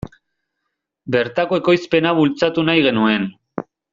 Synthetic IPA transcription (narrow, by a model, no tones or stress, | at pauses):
be̞ɾt̪ako̞e̞ko̞jspe̞naβult͡sat̪unajɣe̞nue̞n